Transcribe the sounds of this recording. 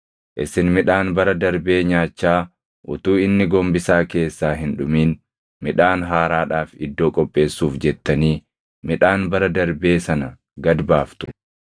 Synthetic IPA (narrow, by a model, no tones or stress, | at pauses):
ʔɪsɪnmɪᶑaːnbɐɾɐd̪ɐɾbe̞ːɲaːt͡ʃːaː | ʔʊt̪uːɪnːɪɡɔmbɪsaːke̞ːsːaːɦɪnᶑʊmiːn | mɪᶑaːnɦaːɾaːᶑaːfɪd̪ːo̞ːkʼɔpʼːe̞ːsːuːfd͡ʒɛt̪ːɐniː | mɪᶑaːnbɐɾɐd̪ɐɾbe̞ːsɐnɐ | ɡɐd̪baːft̪ʊ̥